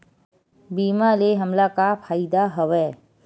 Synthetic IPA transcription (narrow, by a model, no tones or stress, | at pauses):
biːmaleɦəmlakapʰaːɪd̪aɦəʋɛː